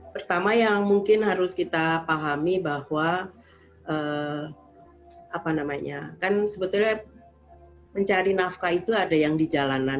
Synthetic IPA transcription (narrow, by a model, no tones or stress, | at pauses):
pərt̪amajaŋmuŋkɪnɦaɾʊskit̪apaɦamibahwa | ʔə | apanamaɲakansəbət̪ulɲa | məɲt͡ʃaɾinafkait̪uadajaŋdid͡ʒalana